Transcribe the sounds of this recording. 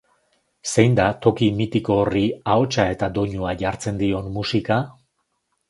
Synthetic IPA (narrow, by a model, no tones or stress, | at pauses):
se̞jnd̪at̪o̞kimit̪iko̞ːriao̞t͡ʃae̞t̪ad̪o̞ɲuaʝaɾt͡se̞nd̪io̞nmusika